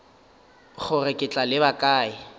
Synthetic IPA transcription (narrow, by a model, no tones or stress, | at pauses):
χʰʊrɛkʼɪt͡ɬʼalɪbakʼaːɪ